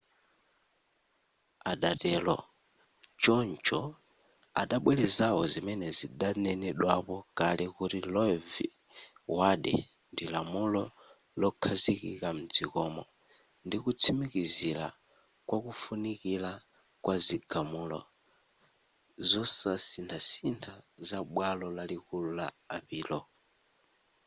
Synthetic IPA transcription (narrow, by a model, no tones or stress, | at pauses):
aɗatɛlɔ̰ | t͡ʃɔnt͡ʃɔ | a̰ɗaɓwɛlɛzawɔzimɛnɛziɗanɛnɛɗwapɔkalɛkuɾilɔvi | waɗɛ̰ | ndilamulɔ | lɔkʰazikikam̩d͡zikɔmɔ | ndikut͡sʰimikiziɾa̰ | kwakufunikila | kwaziɡamulɔ̰ | zɔsasintʰasintʰazaɓwalɔlalikululaːpiːlɔ